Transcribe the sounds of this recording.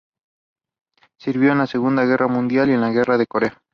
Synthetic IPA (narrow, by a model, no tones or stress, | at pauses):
siɾβjo̞enlase̞ɣund̪aɣ̞e̞ramũnd̪jalienlaɣe̞rað̞e̞ko̞ɾe̞a